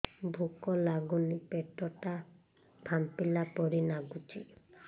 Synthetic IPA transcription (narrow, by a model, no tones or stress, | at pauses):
bʱukɔlaɡunipeʈɔʈa | bʱampilapɔɾinaɡut͡ʃi